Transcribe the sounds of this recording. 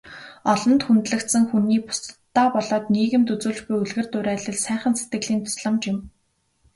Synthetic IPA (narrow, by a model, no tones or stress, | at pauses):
ɔɮɞ̆nt̪xunt̪ɮɘ̆kt̪sə̆ŋxuniːpʊ̥st̪ːaːpɔɮɔːt̪niːɣɘ̆mt̪ɵt͡suːɮt͡ɕpujuɮɣɘ̆rt̪ʊɾæːɮɘ̆ɮsæːχə̆nset̪ɡɘ̆ɮiːnt̪ʰʊ̥sɮə̆mt͡ɕɪm